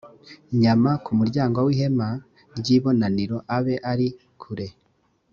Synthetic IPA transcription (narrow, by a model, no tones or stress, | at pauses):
ɲamakumuɾɟaːŋɡowiːhe̞ma | ɾɟiːβo̞naniɾo̞ʔaβe̞ʔaɾi | kʰuɾe̞